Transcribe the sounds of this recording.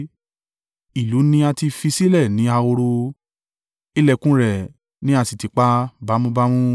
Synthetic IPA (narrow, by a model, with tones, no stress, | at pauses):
i˨lu˨˦nĩ˦a˧ti˧fi˧si˦lɛ˦˨nĩ˨˦a˧o˧ɾo˧ | i˦lɛ˦˧kũ˦ɾɛ˨ | nĩ˨˦a˧si˨ti˨k͡pa˦ba˨˦mũ˦ba˦mũ˦